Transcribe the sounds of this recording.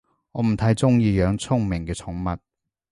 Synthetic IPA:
ŋɔː˨˧m̩˨˩t̪ʰɐ˨˥jt͡sʊ˥ŋjiː˧jœː˨˧ŋt͡sʰʊ˥ŋmɪ˨˩ŋkɛː˧t͡sʰʊ˨˥ŋmɐ˨t̚

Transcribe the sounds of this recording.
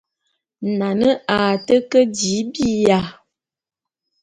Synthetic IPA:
na˨nə˦a˨tə˦kə˦di˨˦bi˦ja˨

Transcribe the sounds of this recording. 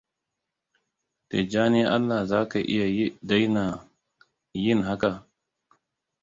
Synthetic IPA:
te˨d͡ʒaː˦ni˦ʔa˦lːa˨zaː˦ka˨ʔɪ̰˦ja˨˦da˦jna˨ | ji˦nɦa˦ka˨

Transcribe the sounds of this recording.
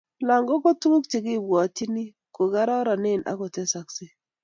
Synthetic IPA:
la˨ŋɡo˦ko˦tu˦ŋu˦k̚ti˨ki˦˨bwa˨ti˦ni˦ | ko˨ɡa˦ɾa˦ɾa˨nɪ˦˨nʔa̰˦ko˨tɛ˦sa˨ksi˦

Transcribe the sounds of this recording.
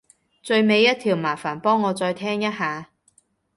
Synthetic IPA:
t͡sɵ˧ɥme˨˧jːɐ˥t̚t̪ʰiː˨˩wmaː˨˩faː˨˩npɔː˥ŋːɔː˨˧t͡sɔː˧jt̪ʰɛː˥ŋjɐ˥t̚ɦaː˨˧

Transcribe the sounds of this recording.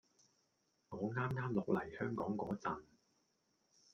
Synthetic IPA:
ŋɔː˨˧ŋaː˥mŋaː˥mlʊ˨k̚lɐ˨˩jhœː˥ŋkɔː˨˥ŋkɔː˨˥t͡sɐ˨n

